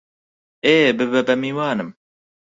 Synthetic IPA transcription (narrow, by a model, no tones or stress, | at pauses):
eːbɨbɛbɛmiːwaːnɨm